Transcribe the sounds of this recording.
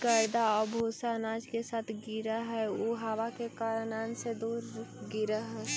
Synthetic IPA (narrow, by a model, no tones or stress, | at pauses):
kəd̪aɔːɾbʱoːsanaːd͡ʒkesaːt̪ʰɡɪɾaɦɛoɦaʋakekaːɾnaːnsed̪uːɾɡɪɾaɦɛː